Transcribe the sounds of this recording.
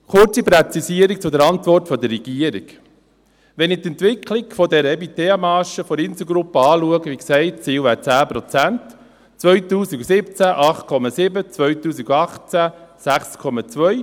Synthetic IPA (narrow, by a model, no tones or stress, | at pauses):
χʊɾt͡sipɾɛt͡sisiəɾik̚t͡sʊdəɾɑntʋɔrtfɔdərɛɡ̥iəɾik | ʋɛnɪt̪ɛntʋɪkʰlɪkfɔdɛɾəɛbiteːɑmɑːʃəfɔɾɪnsəɡɾupːəɑːluəɡəʋiksɛɪt̚t͡siːwʋæːt͡sæːpɾɔt͡sænt | t͡sʋœɥtuːsiɡusɪpt͡sæʔɑχt̪kʰɔmɑsɪbət͡sʋœɥtuːsiɡuɑχt͡sæsæχskʰɔmɑt͡sʋœʏ